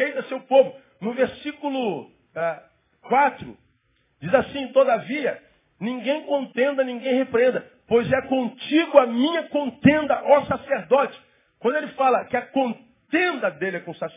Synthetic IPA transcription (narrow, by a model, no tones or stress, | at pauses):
ejt̪ɐsewpobʊ | nʊveɾsikulʊ | ɛ | kwat̪ɾʊ̰ | d͡ʒizasĩt̪od̪ɐviɐ | nĩɡẽj̃kõnt̪ẽnd̪ɐnĩɡẽj̃hepɾẽnd̪ɐ | pojzɛkõt͡ʃiɡʊɐmĩɲɐkõnt̪ẽnd̪ɐʔɔsaseɾd̪ɔt͡ʃɪ̥ | kwɐ̃nd̪ʊelɪfalɐkɪɐkõn | t̪ẽnd̪ɐd̪elɪɛkõsas